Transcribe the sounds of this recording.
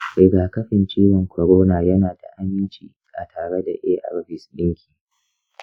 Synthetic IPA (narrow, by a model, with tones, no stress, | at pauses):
bɪ˨ɡaː˨kɐ˦ɸɪ˨nt͡ʃiː˦wɪ˨ŋkʷɐ˨ɽoː˦naː˨jɐ˦naː˨da̰˨ʔa˦mɪ˦nt͡ʃiː˨ | ʔa̰˨tʰaː˨ɽe˦da˨ʔeː˦ʔa̰˨ɾɸɪ˨sɗɪ˦ŋkʲʰiː˨